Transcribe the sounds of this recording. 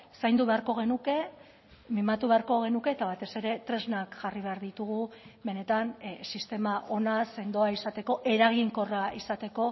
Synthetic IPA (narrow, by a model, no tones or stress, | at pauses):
sajnd̪uβeaɾko̞ɣ̞e̞nuke̞ | mimat̪uβe̞aɾko̞ɣ̞e̞nuke̞ːt̪aβ̞at̪e̞se̞ɾe̞t̪ɾe̞znakʝariβ̞e̞aɾðit̪uɣuβe̞ne̞t̪ansist̪e̞maʔo̞nase̞nd̪o̞aisat̪e̞ko̞ʔe̞ɾaɣiŋko̞raisat̪e̞ko̞